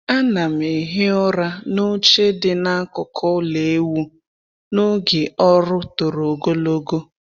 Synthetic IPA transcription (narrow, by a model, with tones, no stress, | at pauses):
a˦na˨m̩˨e˨ɦɪ˦ɔ˦ɾa˦nʊ˦t͡ʃe˦dɪ˨na˦kʊ˨kʰɔ˦le˨e˦wu˦ | nʊ˦ɡɪ˨ɔ˦ɾʊ˦tʊ˨ɾo˨ɡo˦lo˦ɡo˦